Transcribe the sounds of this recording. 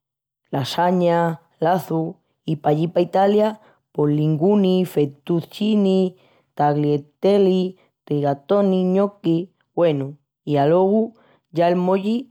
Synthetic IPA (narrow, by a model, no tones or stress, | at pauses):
lasaɲa | laθu | ipaʎipait̪alja | poliŋɡunifet̪uθt͡ʃini | t̪aɣliet̪eli | t̪iɣat̪oniɲoki | wenu | ialoɣu | ʝaelmoʎi